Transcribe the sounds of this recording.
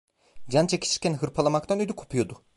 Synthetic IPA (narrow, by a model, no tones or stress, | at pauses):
d͡ʒant͡ʃʰecʲi̥t͡ʃʰi̥ɾcʲænɦɯɾpʰalˠamak̚t̪ʰanød̪ykʰopʰujo̞d̪ʊ